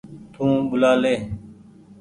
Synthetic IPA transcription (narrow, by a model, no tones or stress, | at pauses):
t̪ʰũːɓʊlaːleː